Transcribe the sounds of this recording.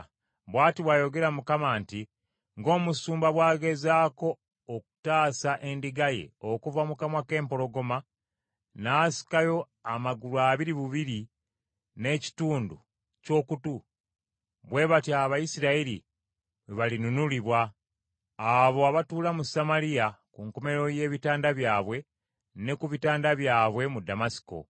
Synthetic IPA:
βwaːtiβwajo̞ɡe̞ɾamukamanti | ŋɡo̞ːmusuːmbaβwaːɡe̞zaːko̞ː | ku̥taːsaʔe̞ndiɡajḛokuvamukamwake̞ːmpo̞lo̞ɡo̞ma | naːsi̥kajo̞ | amaɡuluaβiɾiβuβiɾi | ne̞ːci̥tuːndu | co̞ːkutu | βwe̞βatiaβajisiɾaiɾi | βeβalinunuliβwaː | βo̞aβatuːlamusamalijakuŋkome̞ɾo̞je̞ːβitaːndaβjaːβwe̞ | ne̞kuβitaːndaβjaːβwe̞mudamasi̥ko̰

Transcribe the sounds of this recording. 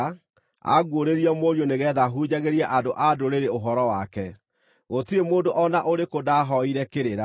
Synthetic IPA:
a̰ɣwoɾeɾiɔmoɾjoneɣɛðaɦud͡ʒaɣeɾiaʔadoʔadoɾeɾeoɦɔɾɔwakɛ | ɣotiemoːndoʔɔnaʔoɾekodaɦɔiɾɛkeɾeɾa

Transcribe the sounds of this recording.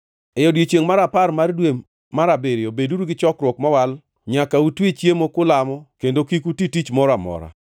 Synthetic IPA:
ɛjɔdwet͡ʃjeŋmaɾaparmardwe | maɾabeɾeobeduɾuɡɪt͡ʃɔkɾwɔkmawal | ɲakautwit͡ʃjemokʊlamɔkendokikutitit͡ʃmɔɾamɔ̰ɾa̰

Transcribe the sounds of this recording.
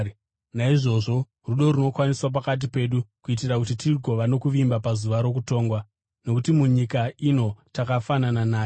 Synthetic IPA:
naiʐo̞ʐo̞ | ruɗo̞ɾuno̞kwaniswap̬akat̬ipe̞ːɗukuitirakutitiɡʱo̞ʋano̞kuʋimbapazuʋaɾo̞kuto̞ːŋɡwa | no̞kutimuɲikaino̞takafanananaː

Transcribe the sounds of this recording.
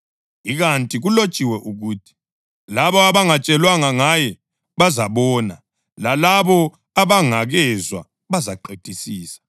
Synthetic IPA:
iɣantʼiɣulot͡ʃʼiwɛʔuɣuːtʰi̥ | laβɔaβaŋat͡ʃʼɛlwaŋaŋajɛ | βazaβɔːna | lalaβɔ | aβaŋaɣɛzwa̰ | βazaǃetʼisiːsḁ

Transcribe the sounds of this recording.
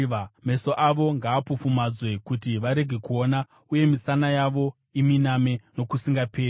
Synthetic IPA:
me̞so̞ʔaʋo̞ŋɡaːpufumad͡zwe̞kutiʋaɾe̞ɡʱe̞kuo̞na | uje̞misanajaʋo̞ | iminame̞no̞kusiŋɡapʰeː

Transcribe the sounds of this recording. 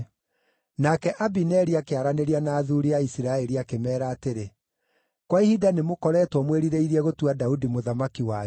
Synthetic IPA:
nakɛʔabinɛɾiakeaɾaneɾianaːðuɾiaisiɾaɛɾiakemɛːɾaːteɾe | kwaihidanemokɔɾɛːtwɔmweɾiɾeiɾiɛɣotuadaudimoðamakiwa

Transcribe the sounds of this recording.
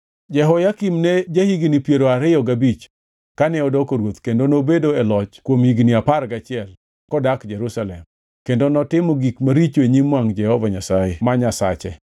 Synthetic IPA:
d͡ʒɛɦɔjakimnɛd͡ʒahiɡnipjeɾoaɾɪjɔɡabit͡ʃ | kanɛɔdɔkoɾwot̪kendonobedoɛlɔt͡ʃkwomhiɡniapaɾɡat͡ʃɪɛl | kɔdakd͡ʒɛɾusalɛm | kendonɔtɪmɔɡikmaɾit͡ʃoeɲimwaŋd͡ʒɛhɔvaɲasajemaɲasa̰t͡ʃɛ

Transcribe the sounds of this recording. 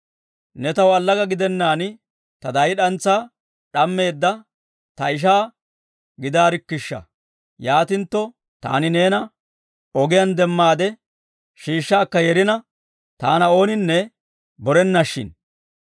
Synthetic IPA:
nɛt̪ɐwɐlːɐɡɐɡɪd̪ɛnːaːnɪ | t̪ɐd̪ɐjɪɗɐnt͡sːaː | ᶑɐmːe̞ːd̪ːɐ | t̪ɐɪʃ̬aː | ɡɪd̪aːɾɪkːɪʃːɐ̰ | jaːt̪ɪnt̪ːɔ | t̪a̰ːnɪne̞ːnɐ | ɔɡɪjɐnd̪ɛmːaːd̪ɛ | ʃiːʃːaːkːɐjɛɾɪnɐ | t̪aːnɐo̞ːnɪnːɛ | bɔɾɛnːɐʃːɪ̰n

